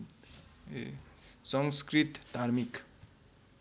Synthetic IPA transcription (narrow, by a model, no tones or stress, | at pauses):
sʌŋskrit̪d̪ʱaɾmik